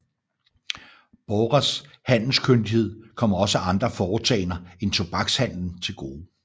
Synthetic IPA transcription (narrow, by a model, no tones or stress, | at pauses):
b̥ɒʁɐshæn̰l̩skʰønd̥ihe̝ð̞̰ˠkʰɒ̽m̰ɐɒ̽səʔɑ̈nd̥ʁɐfɒːt͡sʰɛ̰ɪnɐent͡sʰo̝b̥ɑ̈ɡ̥shæn̰ln̩t͡sʰe̝lɡ̥o̝ː